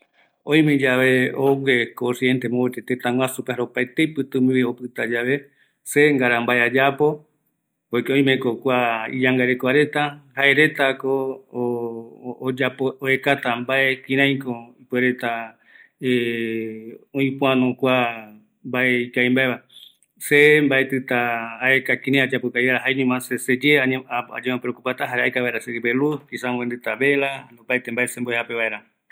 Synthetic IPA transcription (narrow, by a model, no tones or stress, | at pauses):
õj̃med͡ʒaʋe̞owekosient̪emoet̪et̪et̪ãŋw̃ʷasupehaɾopaet̪ejpɨt̪ɨ̃miβio̞pɨt̪ad͡ʒaʋe̞ | se̞ŋɡaɾambaead͡ʒapo̞ | ojkeõj̃mẽkokʷaḭd͡ʒaŋɡaɾekoaɾe̞t̪ahae̞ɾe̞t̪ako | d͡ʒapooekat̪ambaʔekĩɾ̃ãj̃koipeɾe̞t̪a | e | õĩpũãnokʷa | mbaeikajmbaeβa | sembaet̪ɨt̪aːekakĩɾãj̃ad͡ʒapokaieɾaɦaeɲũmãsesed͡ʒeaa̰d͡ʒemẽpeɾokupat̪aɦaɾeaekaβaeɾasekibelukisamend̪ɨt̪aβe̞ɾanõpajt̪embaesemboehape̞βaeɾa